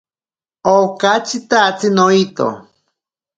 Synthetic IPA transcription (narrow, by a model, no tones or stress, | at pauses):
okat͡ʃit̪at͡sinoit̪o̰